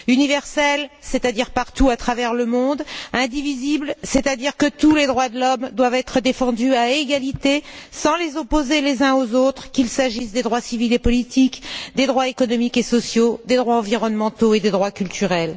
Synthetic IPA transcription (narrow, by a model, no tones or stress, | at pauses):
ynivɛʁsɛlset̪ad̪iʁpaʁt̪uat̪χavɛʁləmɔ̃d̪ɛ̃d̪iviziblsɛt̪ad̪iʁkət̪uled̪ʁwad̪əlɔmd̪wavɛt̪χəd̪efɑ̃d̪yaeɡalit̪esɑ̃lezɔpozelezɛ̃ozot̪χkʲilsaʒisd̪ed̪ʁwasivilepɔlit̪ʰikd̪ed̪ʁwaekɔnɔmikesɔsjod̪ed̪ʁwaɑ̃viʁɔnmɑ̃t̪oed̪ed̪ʁwakʲylt̪ʰyʁɛl